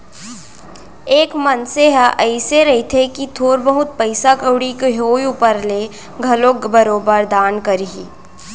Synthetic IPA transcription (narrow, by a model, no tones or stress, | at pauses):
eːkmənseɦaʔəɪseɾɐɦit̪ʰekit̪ʰoːɾbəɦʊt̪̚pəɪsakəwɽikɦoːjuːpəɾle | ɡʱɐloːkbəɾoːbəɾd̪aːnkəɾɦiː